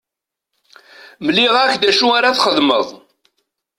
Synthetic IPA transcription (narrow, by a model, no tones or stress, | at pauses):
məlːiʁækd̪æʃuaɾaθχəðməðˤ